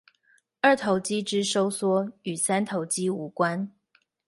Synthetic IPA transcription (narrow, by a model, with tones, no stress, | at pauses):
ə˞˥˩t̪ʰo˧˥ʊt͡ɕi˥ʈ͡ʂɻ̩˥ʂo˥ʊswɔ˥y˨˩sa˥nt̪ʰo˧˦ʊt͡ɕi˥u˧˥kwa˥n